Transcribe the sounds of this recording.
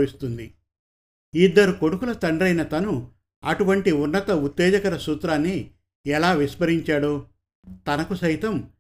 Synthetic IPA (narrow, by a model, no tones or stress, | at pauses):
ʋist̪und̪i | id̪ːɐɾuko̞ɽukulɐt̪ɐɳɖɾɐjnɐt̪ɐnu | ɐʈuʋɐɳʈiunːɐt̪ɐut̪ːɛːd͡ʒɐkɐɾɐsuːt̪ɾaːnːi | ɛlaːʋispɐɾiɲt͡ʃaːɽoː | t̪ɐnɐkusɐjt̪ɐm